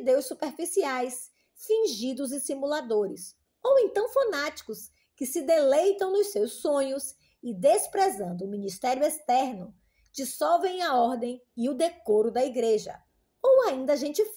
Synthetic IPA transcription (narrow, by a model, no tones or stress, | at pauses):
d̪ewsupeɾfisiajs | fĩʒid̪ʊzɪsimulad̪oɾɪs | owẽnt̪ɐ̃w̃fanat͡ʃi̥kʊs | kɪsɪd̪elejt̪ɐ̃w̃nʊssewsːõɲʊs | ɪd̪espɾezɐ̃nd̪ʊːmĩnist̪ɛɾjʊest̪ɛɾnʊ | d͡ʒisɔwvẽj̃ɐɔɾd̪ẽj̃ɪʊd̪ekoɾʊd̪ɐiɡɾeʒɐ̰ | owaĩnd̪ɐaʒẽnt͡ʃɪ